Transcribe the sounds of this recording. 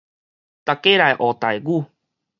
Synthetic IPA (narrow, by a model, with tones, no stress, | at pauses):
t̪a˨ke˦ɾa˨jʔo˨t̪a˨jɡu˦˧˨